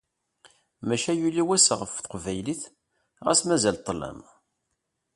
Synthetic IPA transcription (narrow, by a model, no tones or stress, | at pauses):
mæʃæjulːiwæsʁəfθəqvæjliθ | ʁæ̰smæzælt̪ˤːlæ̰m